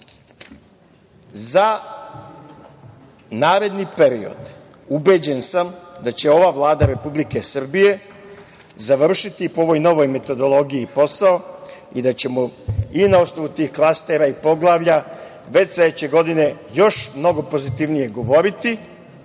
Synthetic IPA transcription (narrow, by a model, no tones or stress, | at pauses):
za | naːɾe̞d̪nipe̞ɾio̰d̪ | ube̞d͡ʑe̞nsamd̪at͡ɕe̞o̞ʋaʋlˠaːd̪aɾe̞publike̞sr̩bije̞ | zaʋr̩ʃit̪ipooʋo̞jno̞ʋo̞jme̞t̪o̞d̪o̞lˠo̞ɡiipo̞sao | id̪at͡ɕe̞moinao̞sno̞ʋut̪iːxklˠast̪e̞ɾaipo̞ɡlˠaːʋʎa | ʋe̞t͡ɕsled̪et͡ɕe̞ɡo̞d̪ine̞ | jo̞ʃmno̞ɡo̞po̞zit̪iʋnije̞ɡo̞ʋo̞ɾit̪i